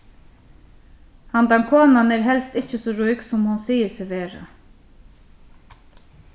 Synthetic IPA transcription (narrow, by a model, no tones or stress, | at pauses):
hand̪ankʰoːnanɛːɾɦɛlst̪ɪt͡ʃəsɔːɾujksɔmhʊnsiːəsɪʋeːɹa̰